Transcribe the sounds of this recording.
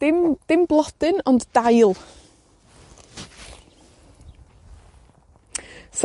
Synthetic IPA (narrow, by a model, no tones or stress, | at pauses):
ɪmd̥ɪmblˠɔd̥ɨnɔnddajlˠ | s